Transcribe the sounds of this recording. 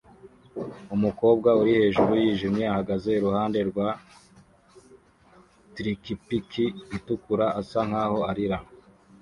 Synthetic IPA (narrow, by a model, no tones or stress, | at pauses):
umuko̞ːbɡauɾihe̞ːʒuɾujiːʒimɲe̞ahaɡaze̞iɾuhaːnde̞ɾɡwaː | tɾikipikʰiːtukuɾaʔasaŋhaːho̞aɾiɾa